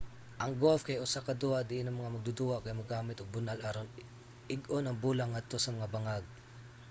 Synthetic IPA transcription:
ʔɐŋɡofkajʔʊsakɐd̪uad̪ɪʔɪnɐŋmɐŋamɐɡ̚d̪ʊd̪uakajamɐɡaːmɪt̪oɡ̚bʊnalʔaɾon | ʔɪɡonɐŋbuːlaŋːɐd̪̚t̪o̞sɐmɐŋabɐŋaɡ̚

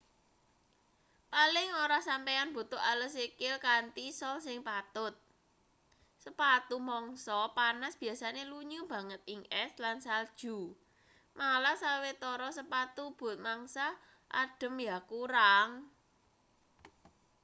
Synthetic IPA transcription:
palɪŋoɾasampeanb̥o̤t̪ʊʔalɔsekɪlkant̪isɔlsɪŋpat̪ʊt̪̚ | səpat̪umɔŋsɔpanasb̥i̤jasaneluɲub̥ä̤ŋət̪̚iŋʔɛslansald̥ʒ̥ṳ | malasawet̪ɔɾɔsəpat̪ub̥ʊ̤t̪̚maŋsa | ʔa̰ɖ̥ə̤mjakuɾaŋ

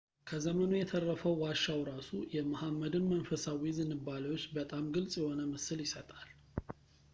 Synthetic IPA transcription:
kʰəzəmənujɛt̪ʰərːəfəwwaʃːawɾasujɛmahamːəd̪ɨnmənfəsawizɨnːɨbːaləwot͡ʃːbət̪ʼamɡɨlsʼjɛho̞nəməsɨljɪsət̪ʼal

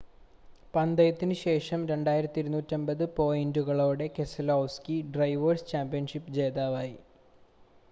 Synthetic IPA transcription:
pɐnd̪ɐjɐt̪ːinɨɕe̞ːʂɐmɾe̞ɳɖaːjiɾɐt̪ːiɾunuːtːɐmbɐðɨpo̞ːjinduɣɐɭo̞ːɽe̞ke̞sɐlowskiɖrɐjʋɐrst͡ɕaːmpijɐnʂipːɨd͡ʑe̞ːðaːʋaːji

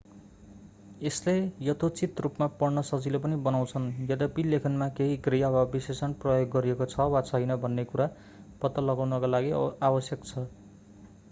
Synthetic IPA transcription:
eslejʌt̪ʰot͡sit̪rupmapʌrnʌsʌd͡zilep̬ʌnibʌnaw̃t͡sʰʌnjʌd̪ʌpilekʰʌnmakeɦiɡrijabʱabisesʌnprʌjoɡːʌɾijekot͡sʰʌwat͡sʰʌjnʌbʱʌnːekuɾa | pʌt̪ːʌlʌɡawnʌkalaɡiabʌsjʌkt͡sʰʌ

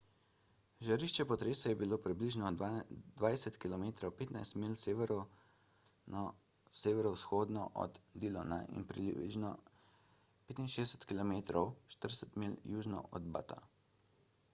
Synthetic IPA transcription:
ʒaɾiʃt͡ʃɛpɔt̪ɾeːsɛjɛbiloːpɾibliʒnɔd̪ʋajsɛt̪kilɔmeːt̪ɾɔwpeːt̪najst̪milsɾ | seʋɛɾɔwsxoːd̪nɔ̰ʔɔ̰d̪d̪ilɔna̰ʔḭnpɾiḭʒnɔ | peːt̪inʃeːdɛsɛ̥t̪kilɔmeːt̪ɾɔwʃt̪əɾsɛt̪miljuːʒnɔ̰ʔɔ̰d̪ba̰t̪a̰

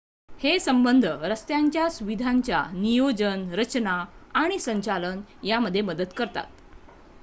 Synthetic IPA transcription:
hesəmbənd̪ʱəɾəst̪jaɲt͡ɕjasuʋid̪ʱaɲt͡ɕja̰nijod͡ʑənɾət͡ɕnaaɽ̃isəɲt͡ɕalənjaməd̪ʱːjeməd̪ət̪kəɾt̪a̰t̪̚

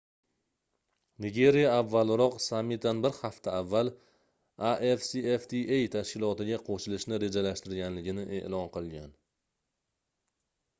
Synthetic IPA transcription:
nɪɡʲe̞ɾijaːvːalɾɒqsamːit̪ʰanbɪɾhaft̪ʰaːvːalˠ | aʔefsieft̪ʰiʔejt̪ʰaʃkʲɪlˠɒt̪ɪɡʲaqʰoʃɪlɪʃnɪɾe̞d͡ʒalaʃt̪ɪɾɡʲanlɪɡʲɪnɪʔe̞̰ʔlɒnqɨlˠɡʲan

